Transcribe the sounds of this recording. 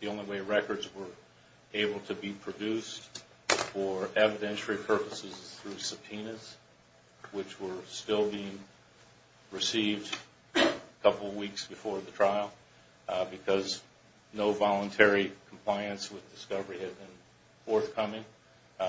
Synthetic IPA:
ðiõʊ̃nliweɪɹɛkə˞dzwə˞ | eɪbl̩ˠtʰɨbipʰɹ̥ɨdʉst | fə˞ʔɛvɨdɛ̃nʃl̩ˠipʰɜ˞pəsɨzθɹʉsəpʰĩnɨz̥ | wɨt͡ʃwə˞stɪlˠbiɪ̃ŋ | ɹɨsivd | kʰʌpl̩ˠwiksb̥ɨfɔɹðɨtʰɹ̥aɪl̩ˠ | bɨkʰʌz | noʊvɑlˠə̃ntʰɛɹikʰm̩pʰl̥aɪɨ̃nswɨðdɨskʌvə˞iɨd̚bɨ̃n | fɔɹθkʰʌmɪ̃ŋ

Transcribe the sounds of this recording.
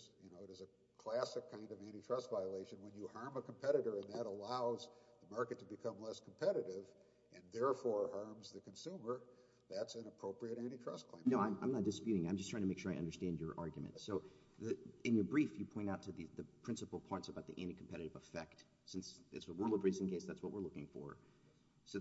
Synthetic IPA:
zjɨnoʊɨɾɨzɨ | kʰl̥æsɨkʰːãɪ̃ndʌvæ̃ɾ̃itʰɹ̥ʌstvaɪəleɪʃɨ̃nwə̃njɨhɜ̃˞məkʰm̩pʰɛɾɨɾə˞ɨ̃nðɨɾəlaʊzðəmɑɹkɨtʰəbɨkʰʌ̃mlɛskʰm̩pʰɛɾɨɾɪv | ʔɨ̃nðɛɹfɔɹhɜ̃˞mzðɨkʰɨ̃nsũmə˞ | ðætsɨ̃nəpʰɹ̥oʊpɹiɨɾæ̃ñitʰɹ̥ʌ̰skʰl̥ẽɪ̃noʊãɪ̃mʔã̰ɪ̃nət̚d̥ɨspjʉɾɪ̃ŋãɪ̃md͡ʒʌstʰɹ̥aɪŋtʰmeɪkʃʊɹaɪʌ̰̃ndə˞stæ̃nd͡ʒjə˞ʔɑɹɡjmɨ̰̃ntsoʊ | ðɨɨ̃njə˞bɹifjɨpʰɔ̃ɪ̃taʊtʰɨðiðɨpʰɹ̥ɪ̃nsəpl̩ˠpʰɔ̃ɪ̃ntsəbaʊt̪̚ðḭʔæ̃nɾ̃ikʰm̩pʰɛɾɨɾɨvəfɛk̚t | sɪ̃nsɨ̰tsəɹulˠʌvɹiz̃n̩kʰeɪsðætswʌt̚wəɹlʊkɪ̰̃ŋfə̰˞ | s

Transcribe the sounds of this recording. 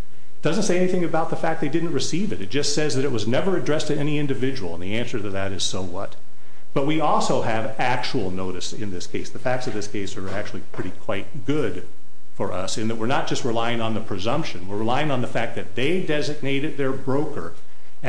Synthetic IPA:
d̥ʌzɨ̃ntseɪɛniθɪ̃ŋɨbaʊt̪̚ðəfæk̪̚ðeɪdɪdⁿn̩t̚ɹɨsivɨɾɨt̚d̥ʒ̥ʌstsɛzðɨɾɨt̚wʌznɛvə˞ɨdɹɛstʰɨɛniɪ̃ndɨvɪd͡ʒəwl̩ˠə̃nðiæ̃nsə˞ðɨt̪̚ðɨɾɨz̥soʊwʌ̰t̚ | b̥ʌt̚wiɔlˠsoʊɨv | æk̚t͡ʃul̩ˠnoʊɾɨsɪ̃nðɪskʰeɪsðɨfæk̚tsʌvðɪskʰeɪsə˞æk̚t͡ʃʉl̩ˠipʰɹ̥ɪɾikʰw̥aɪt̚ɡ̥ʊd | fə˞ʔʌ̰sɨ̃nðɨt̚wɨɹnət̚d̥ʒ̥ʌst̚ɹɨlaɪɪ̃ŋə̃nðəpʰɹ̥ɨzʌ̃mpʃɨ̃nwɨɹɹɨlaɪɪ̃ŋə̃nðəfæk̚ðɨt̪̚ðeɪdɛzɨɡ̚neɪɾɨd̪̚ðə˞bɹoʊkə̰˞

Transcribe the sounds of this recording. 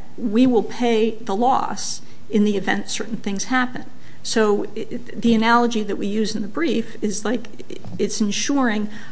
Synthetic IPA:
wiwɪlˠpʰeɪðəlɔ̰s | ɨ̃nðiɨvɛ̰̃ntsɜ˞ʔn̩θɪ̃ŋz̥hæpɨ̃n | soʊ | ðiɨnælˠəd͡ʒiðɨʔ̚wijʉzn̩ðɨbɹifɪzlaɪk | ɨtsɨ̃nʃʊɹɪ̃ŋ

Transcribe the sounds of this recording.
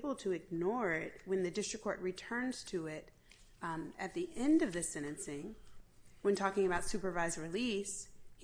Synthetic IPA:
bl̩ˠtʰɨɨɡ̚nɔɹɪt̚wɨ̃nðɨdɪstɹ̥ɨkʰːɔɹʔ̚ɹitʰɜ̃˞nz̥tʰɨɪɾ | ɨt̪̚ðiʔɛ̃ndʌvðɨsɛ̃ɾ̃ɨ̃nsɪ̃ŋ | wɨ̃ntʰɔkɪ̃ŋɨbaʊtsʉpə˞vaɪzɹilish

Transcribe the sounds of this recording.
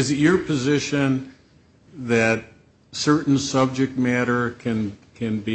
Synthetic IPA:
ɨzɨə˞pʰɨzɪʃɨ̃n | ðɨt̚ | sɜ˞ʔn̩sʌb̚d͡ʒɨk̚t̚mæɾə˞kʰɨ̃nkʰɨ̃nbi

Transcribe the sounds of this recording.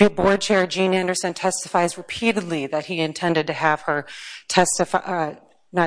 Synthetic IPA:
ibɔɹd̚t͡ʃʰɛɹd͡ʒĩnæ̃ndə˞sɨ̃ntʰɛstəfaɪzɹɨpʰiɾɨdˡliðɨt̚hiɨ̃ntʰɛ̃ndɨd̚tɨəv̥ə˞tʰɛstɨfa | nə

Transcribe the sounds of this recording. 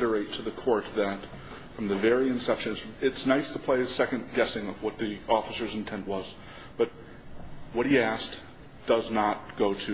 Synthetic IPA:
ɾə˞eɪtʰɨðɨkʰɔɹt̪̚ðɨt | fɹʌ̃mðɨvɛɹiɨ̃nsɛpʃɨ̃nɨsɪtsnaɪstʰəpʰl̥eɪɨsɛkɨ̃nɡɛsɪ̃ŋʌvwʌt̪̚ðiɔfəsə˞zɨ̃n̩tʰɛ̃nʔwʌz̥ | b̥ʌt̚ | wʌt̚hiæsk | d̥ʌznət̚ɡ̥oʊɾɨ

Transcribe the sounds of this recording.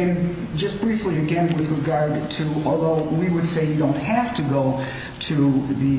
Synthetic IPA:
ɨ̃n | d͡ʒʌsb̥ɹifliɨɡɛ̃nwɨðɹɨɡɑɹdtʰɨɔlˠðoʊwiwɨd̥seɪjɨdõʊ̃nt̚hæftɨɡoʊ | ɾʰɨðɨ

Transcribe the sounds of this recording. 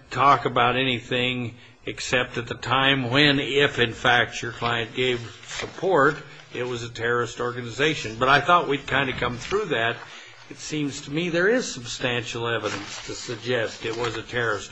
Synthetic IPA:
tʰɔkɨbaʊɾɛniθɪ̃ŋ | ɨksɛp̚tɨt̪̚ðɨtʰãɪ̃mwɨ̃nɪfɨ̃nfæk̚t͡ʃə˞kʰl̥aɪɨ̃nɡ̥eɪv̥ | səpʰɔɹɾ | ɪt̚wʌzɨtʰɛɹə˞ɨstɔɹɡɨnɨzeɪʃɨ̃nbʌɾaɪθɔʔ̚wid̚kʰãɪ̃ndɨkʰʌ̃mθɹʉðæɾ | ɨtsĩmz̥tʰəmiðə˞ɪz̥səb̥stæ̃nʃl̩ˠɛvɨɾɨ̃nstʰɨsɨɡ̚d͡ʒɛstɨt̚wʌzɨtʰɛɹə˞ɨst

